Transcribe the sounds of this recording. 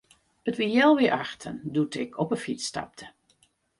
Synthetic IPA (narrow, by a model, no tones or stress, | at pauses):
ətʋɪjɛlˠʋɪɹʔaxtʰə̰ndutɪkʰɔpəfistɑ̰p̚tʰə̥